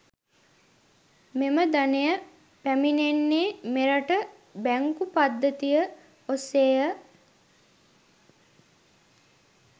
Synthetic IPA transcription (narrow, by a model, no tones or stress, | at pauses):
meməd̪anejə | pæminenːeːmeɾəʈə | bæŋkupad̪ːət̪ijə | oseːjə